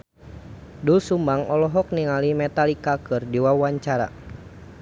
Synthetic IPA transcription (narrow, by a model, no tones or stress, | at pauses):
dulsumbaŋɔlɔɦɔk̚niŋalimɛt̪alikakɨrdiwawaɲt͡ʃaɾa̰